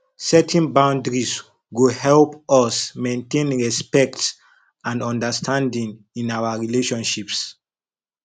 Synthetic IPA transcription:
sɛtʰɛ̃nbãw̃ndɹis | ɡuhɛlpɔsmẽntẽnɹɛspɛk̚ts | ãndɔ̃ndəstʰãndĩŋ | ĩnawaɹileʃɔ̃nʃips

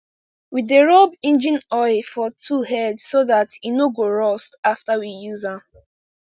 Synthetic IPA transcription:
wideɹɔbĩnd͡ʒĩnɔɪfɔtʰuhɛdssoðatjinoɡoɹɔstaftawijuzãm

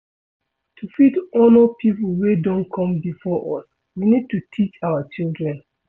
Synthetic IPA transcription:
tʰufitɔnopʰipulwedɔ̃nkʰɔ̃mbifɔʔɔ̰s | winid̚tutʰit͡ʃawat͡ʃildɹɛ̃n

